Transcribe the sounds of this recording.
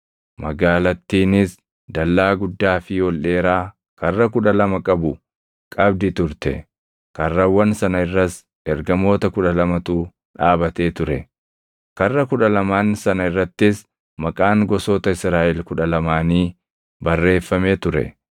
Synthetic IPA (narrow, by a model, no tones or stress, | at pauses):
mɐɡaːlɐt̪ːiːnɪs | d̪ɐlːaːɡʊd̪ːaːfɪwɔlʔe̞ːɾaː | kɐrːɐkʊᶑɐlɐmɐkʼɐbʊ | kʼɐbd̪ɪt̪ʊɾt̪ɛ̰ | kɐrːɐwːɐnsɐnɐɪrːɐs | ɛɾɡɐmo̞ːt̪ɐkʊᶑɐlɐmɐt̪uː | ᶑaːbɐt̪e̞ːt̪ʊɾɛ | kɐrːɐkʊᶑɐlɐmaːnsɐnɐɪrːɐt̪ːɪs | mɐkʼaːŋɡɔsoːt̪ɐɪsɾaːʔɛlkʊᶑɐlɐmaːniː | bɐrːe̞ːfːɐmeːt̪ʊɾɛ̰